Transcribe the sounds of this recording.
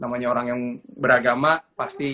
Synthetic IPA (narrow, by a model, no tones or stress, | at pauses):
namaɲaoɾaŋjaŋbəɾaɡamapast̪i